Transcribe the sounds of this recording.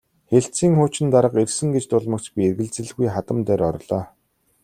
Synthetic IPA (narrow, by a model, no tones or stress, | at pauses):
xeɬt͡siːŋχʊːt͡ɕɪ̆nt̪aɾə̆qersɘ̆ŋɡet͡ɕt̪ʊɮmə̆kt͡ɕpʲierɣɘ̆ɮt͡sɘ̆ɮɣujχat̪ə̆mt̪æːɾɔɾɮ̥ɔː